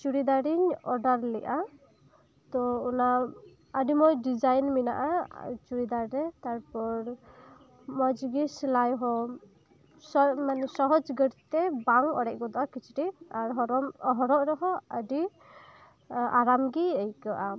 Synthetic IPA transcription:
t͡ʃuɾid̪aɾiɲɔɖaɾlɛ̰ʔa | t̪ɔuna | əɖimɔjɖid͡ʒajnmina̰ʔat͡ʃuɾid̪aɾɾɛt̪aɾpɔɾ | mɔd͡ʒɡislajɦɔ | sɔmansɔɦɔd͡ʒɡəɾt̪ɛbaŋɔ̰ɽɛc̚ˀɡɔd̪ɔʔakit͡ʃʰiʈiaɾɦɔɾɔɦɔɾɔʔɾɛɦɔəɖi | aɾamɡiəjkaʔa

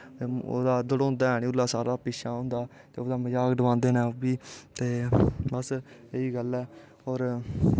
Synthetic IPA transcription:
eːo̰ːd̪aːd̪əɽõːnd̪aːɦɛːñiːʊlːaːsaːɾaːpiːʃaːɦʊ̃ːnd̪aːt̪ḛːoːd̪aːməd͡ʒaːkɖəʋãːnd̪eːnɛːbiːt̪eːbəseiːɡəlɛː | ɔːɾ

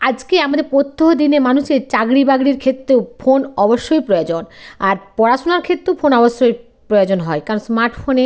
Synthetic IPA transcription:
ad͡ʑkeamad̪eɾpot̪ʰːoɦod̪inemanuʃeɾt͡ɕaɡɾibaɡɽiɾkʰet̪ːɾefonɔboʃːojpɾojod͡ʑonaɾpɔɾaʃonaɾkʰet̪ːɾewfonɔboʃːoj | pɾojod͡ʑonɦɔekaɾonsmaɾʈfʰone

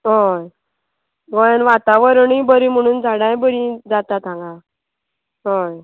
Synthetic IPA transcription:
ɦoj | ɡɔjanʋat̪aʋəɾɳibəɾim̤əɽ̃uːnd͡zaɽãjbəɾid͡zat̪at̪ʰãŋɡã | ɦoj

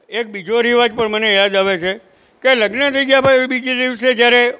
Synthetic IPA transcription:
ek̚bid͡ʒoɾiʋad͡ʒpəɳmənejad̪aʋet͡ʃʰe | keləɡnət̪ʰəiɡjapəeʋibid͡ʒid̪iʋsed͡ʒjaɾe

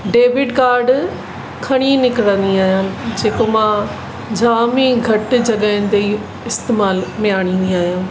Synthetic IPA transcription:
ɖeːʋɪɖkaːɾɖ | kʰɐɽ̃inɪkɪɽə̃nd̪iaːɦijãːd͡ʑeːkomã | d͡ʑaːmiɡʱɐʈ̆d͡ʑɐɠəɪ̃nɪt̪ei | ɪst̪eːmaːlmɪjaːɽ̃ĩːn̆d̪iaːɦijãː

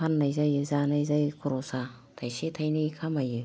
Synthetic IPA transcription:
pʰanːajzajɯzanajzajkʰuɾosa | t̪ʰajset̪ʰajnikʰamajɯ

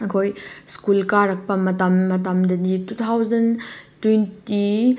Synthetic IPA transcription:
ɐkʰojskulkaɾɐk̚pɐmɐtɐmːɐtɐmdɐditut̪ʰawzɐntwenti

